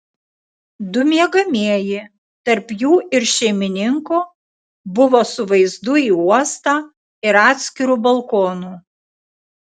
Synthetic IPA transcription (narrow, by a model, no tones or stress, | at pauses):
d̪ʊmʲiɛɡɐmʲiɛjɪ | t̪ɐɾpjuːʔɪɾʃʲɛɪmʲɪnʲɪŋku | bʊʋoːsʊʋɐɪzd̪ʊiːuɔst̪ɑː | ɪɾɑːt̪ʲsʲkʲɪɾuːbɐlˠkoːnuː